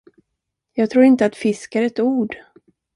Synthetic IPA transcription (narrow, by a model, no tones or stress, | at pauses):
jɑːɡ̚t̪ʰɾuːɾɪnt̪əat̪fɪskaɾɛt̪uːɖ